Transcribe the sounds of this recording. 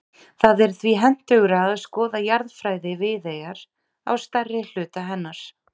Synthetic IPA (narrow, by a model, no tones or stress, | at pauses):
θaðɛɾ̥θviɦɛn̥t̪œɣʏɾaːðskɔːðajaɾðfɾaːjðɪvɪðejaɾ̥ | a̰wst̪arːɪl̥ʏːt̪aɦɛnːaɾ̥